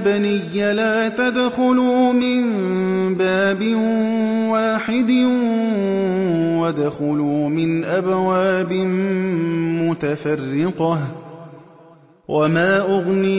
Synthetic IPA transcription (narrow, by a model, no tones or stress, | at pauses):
banɪjːalaːt̪ad̪xʊluːmɪnbaːbɪnwaːħɪd̪ɪ | wad̪xʊluːmɪnʔabwaːbɪ | mʊt̪afɑrːɪqɑh | wʔamaːʔʊɣni